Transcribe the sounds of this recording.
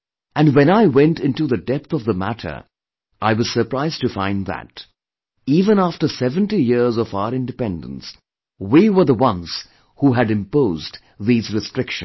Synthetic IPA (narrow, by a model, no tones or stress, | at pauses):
ɨ̃nwɛ̃naɪwɛ̃ntɪ̃ntuðɨdɛp̚θʌvðəmæ̰ɾʰə̰˞ | ʔaɪwʌz̥sə˞pɹaɪztɨfãɪ̃nðæ̰t | iːvə̃næftə˞sɛvə̃ntijɪɹzʌvaʊə˞ɪ̃ndɨpɛ̃ndə̃ns | wiwə˞ðəwʌ̃nz̥ | huɦɨɾɨ̃mpoʊzd | ðizɹɨstɹ̥ɪkʃɨ̃n